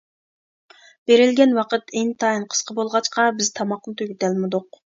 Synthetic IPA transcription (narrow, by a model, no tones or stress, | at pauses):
b̥eɾɪlɡʲɛnwɑqət̪eŋt̪ʰɑjɨnqʰə̥sqʰəbolˠʁɑt͡ʃqʰɑbɪz̥t̪ʰɑmɑqnɨt̪ʰøɡʲyt̪ɛlmud̪ʊq